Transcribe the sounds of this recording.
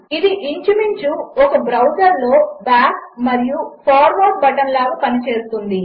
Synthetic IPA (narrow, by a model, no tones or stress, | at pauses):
id̪iʔiɲt͡ʃumiɲt͡ʃuɔkɐbɾɐwd͡ʒɐɾlo̞ːbaːkmɐɾijupʰaːɾʋaːʈ̚bɐʈɐnlaːɡɐpɐnit͡ʃe̞ːsut̪und̪i